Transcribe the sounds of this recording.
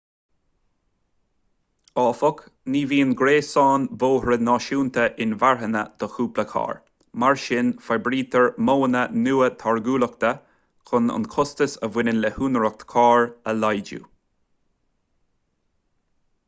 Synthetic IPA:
ɑːfɔk | niːviːənɡɾeːsɑːnvoːhɹənɑːʃuːnt̪ʰəʔɪnvaɹɦənə̰d̪̥ɔxuːpləkʰɑ̰ːɹ | maɹʃɪnfabɾiːt̪ʰəɹmoːənənuːət̪ʰaɹɡuːləkt̪ə | kʰʊnʊ̰nkʰʊst̪əsəvwɪnənlɛhuːnəɾɔk̚t̪kʰɑːɹəlajd͡ʒṵ

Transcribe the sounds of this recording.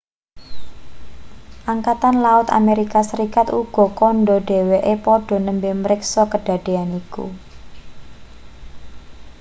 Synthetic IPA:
ʔaŋkat̪anlaʊt̪a̰meɾikasəɾikat̪uɡ̥ɔ̤kɔnɖɔɖ̥e̤weʔepɔɖ̥ɔ̤nəmbeməɾɪksɔkəɖ̥a̤ɖ̥e̤anikṵ

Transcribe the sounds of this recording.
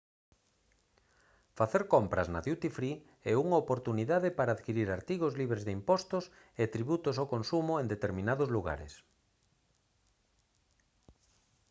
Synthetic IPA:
faθeɾkompɾɐ̰zna̰ðjut̪ifɾi | ɛuŋaopoɾt̪uniðaðɪpaɾaːðkiɾiɾaɾt̪iɣozliβɾezðeimpɔst̪os | et̪ɾiβut̪os̬okonsumʊend̪et̪eɾmĩnaðozluɣa̰ɾḛs

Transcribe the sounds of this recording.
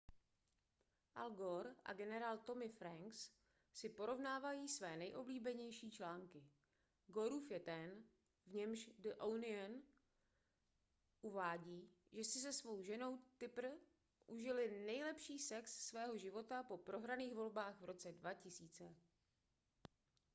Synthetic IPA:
ʔalɡo̞ɾʔa̰ɡɛnɛɾaːlt̪o̞mɪfɾaŋks | sɪpo̞ɾo̞vnaːvajiːsvɛːnɛjʔo̞bliːbɛɲɛjʃiːt͡ʃlaːŋkɪ | ɡo̞ɾuːfjɛt̪ɛn | vɲɛmʃdəʔownɪan | ʔuvaːɟiːʒɛsɪsɛsvo̞wʒɛno̞wt̪ɪpr̩ | ʔuʒɪlɪnɛjlɛpʃiːsɛksːvɛːɦo̞ʒɪvo̞t̪apo̞pɾo̞ɦɾaniːxvo̞lbaːxvɾo̞t͡sɛdvacɪsiːt͡sɛ

